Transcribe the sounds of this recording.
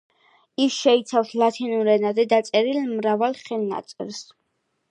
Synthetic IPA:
isʃɛit̪sʰafslat̪ʰinuɾɛnazɛd̪at̪sʼɛɾilmɾavalˠχɛlna̰t̪sʼɛ̰ls

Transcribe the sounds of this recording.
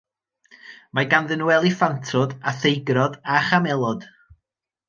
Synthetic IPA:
maɡanðənwɛlˠifantʰʊdaθejɡrɔdaχamɛlˠɔd̥

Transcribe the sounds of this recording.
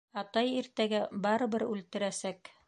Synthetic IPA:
ɑt̪ɑjiɾt̪æɡæbɑɾɤ̆bɘɾʉlt̪ɘ̆ɾæsæk

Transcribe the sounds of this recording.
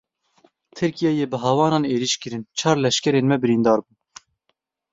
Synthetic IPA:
t̪ʰɨɾkijɛjeːbɨɦɑːwɑːnɑːneːɾiʃkɨɾɨnt͡ʃʰɑːɾlɛʃkʲɛɾeːnmɛbɨɾind̪ɑːɾbuː

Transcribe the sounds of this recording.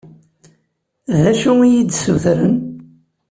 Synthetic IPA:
ðæʃuijid̪suθɾən

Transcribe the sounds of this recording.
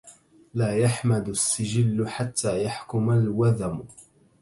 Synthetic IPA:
laːjaħmad̪asːɪd͡ʒɪlːʊħat̪ːaːjaħkʊmalwaðam

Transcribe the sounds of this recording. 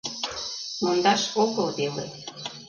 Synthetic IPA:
mond̪ɑʃoɣɤ̆ld̪elḛ

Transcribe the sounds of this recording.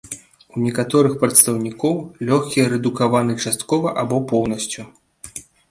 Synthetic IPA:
unʲɛkat̪ɔɾɨxpɾɐt̪st̪ɐwnʲikɔwlʲɔxkʲiɛɾɛd̪ukavanɨt͡ʂast̪kɔvɐʔabɔpɔwnɐsʲt͡sʲu

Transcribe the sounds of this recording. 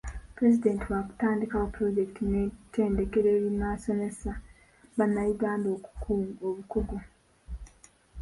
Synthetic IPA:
pɾe̞zide̞ːntiwaku̥taːndikaopɾo̞ɟe̞kitʰinete̞ːnde̞ke̞ɾe̞ːɾinaso̞ne̞sa | βanːajiɡaːndo̞ːku̥kʰuːmoβukoɡo

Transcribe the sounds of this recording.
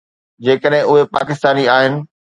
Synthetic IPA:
d͡ʑeːkəɗɦɪ̃ʊɦepa̰ːkɪst̪aːniaːɦɪnɪ̆

